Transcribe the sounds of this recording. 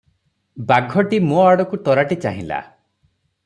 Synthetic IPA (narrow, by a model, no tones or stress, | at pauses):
baɡʱɔʈimoaɽɔkut̪ɔɾaʈit͡ʃaɦĩla̰